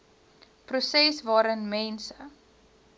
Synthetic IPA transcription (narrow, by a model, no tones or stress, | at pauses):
prusɛsvɑːɾənmɛnsə